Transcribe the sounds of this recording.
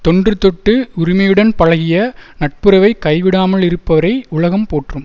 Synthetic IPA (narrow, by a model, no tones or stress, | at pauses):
t̪ɔɳdrɯt̪ɔʈːɯʊɾɪmɐjɯɽɐnpɐɻɐɣɪjɐnɐʈ̚pɯɾɐʋɐɪkɐɪʋɪɽaːmɐɭɪɾɯpːɐʋɐɾɐɪʊɭɐɣɐmpoːʈrɯm